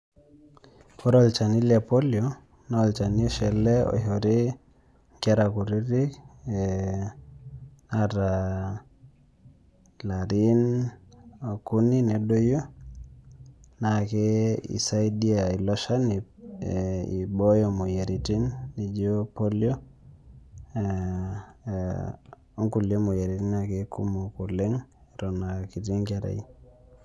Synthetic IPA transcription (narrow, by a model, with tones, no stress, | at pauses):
ko˦ɾo˦lt͡ʃa˨ni˦lja˨po˦ljo | na˦˨lt͡ʃa˨ni˦o˦ʃɛ˨le˦o̰˨ɦo˨ɾi˦ | ŋkɛ˦ɾa˨ku˨ɾi˦ɾi˦k | naɾa | la˨ɾi˦n | o˨ku˦ni˦ne˨do˦jo˦ | nake˦ḭ˨sa˦i˦di˦a˨i˨lɔ˦ʃa˦n | ḭ˨bo˦jo˨mo˨je˨ɾi˨ti˦nːi˨d͡ʒo˦po˦ljo˦ | o˦ŋku˨ljo˦mo˨je˨ɾi˨ti˦na˨ke˦ku˦mo˨ko˨le˦ŋ˨ɾɔ˨na˨ki˨ti˦ŋka˨ɾa̰˨i˦